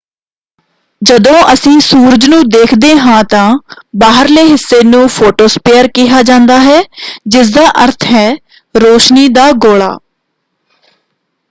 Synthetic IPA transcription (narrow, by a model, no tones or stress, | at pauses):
d͡ʒəd̪õːʔəsĩːsuːɾəd͡ʒnũːd̪eːkʰd̪eːɦãːt̪ãːbaːɦəɾleːɦɪsːeːnũːpʰoːʈoːspeːəɾkɪɦaːd͡ʒãːnd̪aːɦɛːd͡ʒɪs̬d̪aːʔəɾt̪ʰɦɛː | ɾoːʃniːd̪aːɡoːɭa̰ː